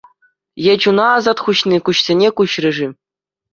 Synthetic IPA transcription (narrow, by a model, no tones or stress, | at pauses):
jed͡ʑunɑːzɑt̪χuɕnikuɕsʲenʲekuɕrɘ̆ʐi